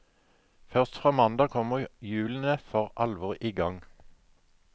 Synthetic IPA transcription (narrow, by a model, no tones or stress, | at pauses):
fœʁst̪fʁɑːmɑnd̪ɑːkʰɔməʁjʉːln̩əfɔʁʔɑlʋɔʁiːɡɑŋ